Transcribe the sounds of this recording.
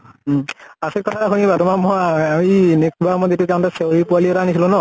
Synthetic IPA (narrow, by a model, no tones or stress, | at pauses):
asek̚kɔtʰatakʰunibatɔmamɔjaminek̚bamɔjetiʊzaw̃taseɹipualiɛtanisilʊ̃nɔ